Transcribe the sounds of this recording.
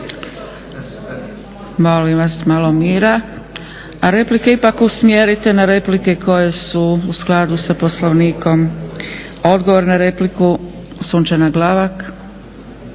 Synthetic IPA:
mo̞limʋasmalo̞miːɾa | aɾe̞plikeipakusmjeɾit̪e̞naɾe̞plikeko̞jesuusklˠad̪usapo̞sloʋniːko̞m | o̞d̪ɡo̞ʋo̞ɾnaɾe̞pliku | suːnt͡ʃanaɡlaːʋak

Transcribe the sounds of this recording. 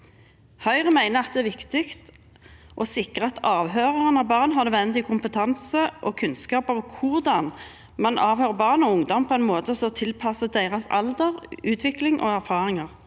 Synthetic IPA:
hœʏʁəmæɪnəɑt̪d̪ɛæʋɪkt̪ɪkt̪ | ʔɔsɪkʁəɑt̪ɑːʋɦøːʁəʁənɑʋbɑːʁnɦɑʁnøʋɛnd̪ɪkʰʊmpət̪ʰɑnsəʔɔːkʰʉnskɑːpɑʋkʰʊʁd̪ɑn | mɑnʔɑːʋhøːʁbɑːʁnɔʊŋd̪ɔmpʰɔɛɪnmoːt̪əsɔt̪ʰɪlpʰɑsəd̪æɪʁɑsɑ̰ld̪əʁʉːt̪ʰʋɪklɪŋʔo̰ːæʁfɑːʁɪŋɑʁ

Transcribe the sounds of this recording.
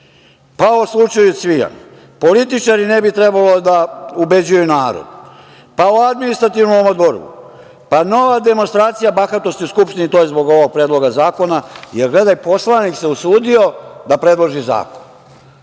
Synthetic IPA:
paoslˠut͡ʃajusʋija̰n | po̞lit̪it͡ʃaɾinebit̪ɾe̞balo̞d̪aube̞d͡ʑujunaːɾo̰d̪ | paoad̪minist̪ɾat̪ivnomomod̪oɾɡṵ | pano̞ʋad̪e̞monst̪ɾaːt̪sijabaxat̪ost̪iskupʃt̪init̪o̞jezbo̞ɡo̞ʋoɡ̚pɾe̞ːd̪lˠo̞ɡazaːko̞najeɾɡle̞d̪ajpo̞slanikse̞usuːd̪io̞d̪apɾe̞d̪lˠoʒiza̰ːkon

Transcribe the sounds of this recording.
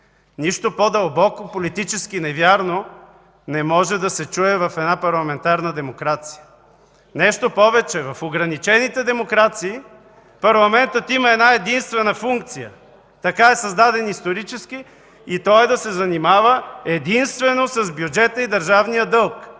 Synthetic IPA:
niʃt̪opod̪ɐlˠbɔkopolit̪it͡ʃɛskinɛvʲjaɾno | nɛmɔʒɛd̪ɐsɛt͡ʃuɛvɐfɛd̪napɐɾlˠɐmɛnt̪aɾnəd̪ɛmokɾat̪si̥jə | nɛʃt̪opɔvɛt͡ʃɛvɐfoɡɾɐnit͡ʃɛnit̪ɛd̪ɛmokɾat̪siː | pɐɾlˠɐmɛnt̪ət̪iməɛd̪naɛd̪inst̪vɛnəfuŋk̚t̪sijə̰ | t̪ɐkaɛsɐzd̪ad̪ɛnist̪oɾit͡ʃɛskiː | t̪ɔjɛd̪ɐsɛzɐnimavəɛd̪inst̪vɛnosɐzbjud͡ʒɛt̪əid̪ɐɾʒavnijəd̪ɤlˠk

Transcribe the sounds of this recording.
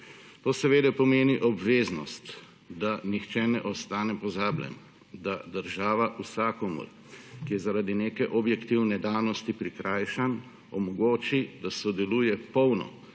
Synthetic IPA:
t̪oːsɛʋeːd̪ɛpɔmeːniʔɔbʋeːznɔst̪ | d̪anixt͡ʃɛnɛʔɔst̪aːnɛpɔzaːblʲɛ̰m | d̪ad̪əɾʒaːʋaʔusaːkɔmṵɾ | kijɛzaɾad̪ineːkɛʔɔbjɛkt̪iwnɛd̪awnɔst̪ipɾikɾaːjʃan | ɔmɔɡoːt͡ʃid̪asɔd̪ɛluːjɛpɔwnɔ̰

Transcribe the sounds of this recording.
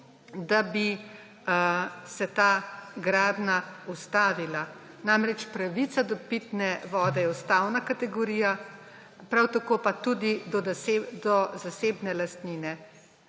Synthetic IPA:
d̪abi | sɛt̪aːɡɾaːd̪naust̪aːʋila | namɾɛt͡ʃpɾaʋit̪sad̪ɔpit̪nɛʋɔːd̪ɛjɛwst̪awnakat̪ɛɡɔɾiːja | pɾawt̪akoːpat̪ud̪id̪ɔd̪ɔzaseːbnɛlast̪niːnɛ

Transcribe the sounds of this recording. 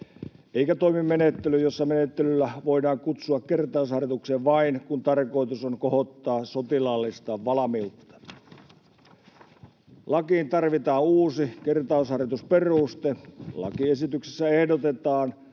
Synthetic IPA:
eikæt̪oimimmenet̪ːelyjjosːɑmenet̪ːelylːæʋoidɑːŋkut̪suɑkkert̪ɑˑushɑrjɑt̪ukseʋʋɑinkunt̪ɑrkoit̪usoŋkohot̪ːɑːsot̪ilɑlːist̪ɑʋʋɑlɑmilt̪ːɑ̥ | lɑkiːnt̪ɑrʋit̪ɑːnuːsikert̪ɑˑushɑrjɑt̪usperust̪elɑ̰kiesit̪ykse̥sːæehdot̪et̪ɑːn

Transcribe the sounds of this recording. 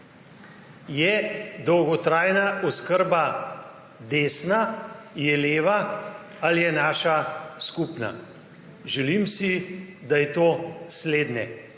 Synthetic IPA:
jɛd̪ɔwɡɔt̪ɾaːjnaʔɔskəɾba | d̪eːsnajɛleːʋa | aljɛnaːʃaskupna̰ | ʒɛlimsid̪ajɛt̪oːsleːd̪nɛ

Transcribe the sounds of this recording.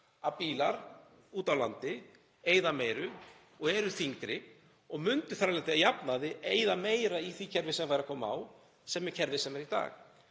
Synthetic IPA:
apiːlaɾ̥ | uːt̪awlant̪ɪ | eːjðameːjɾʏ | ɔɣɛɾʏθiŋkɾɪ | ɔɣmʏnt̪ʏ̥θaɾalɛnt̪ɪaðjapnaðɪeːjðameːjɾaiθicʰɛɾvɪsɛmfajɾakʰɔːmaa̰w | sɛmːɛcʰɛɾvɪsɛmɛɾit̪a̰ːx

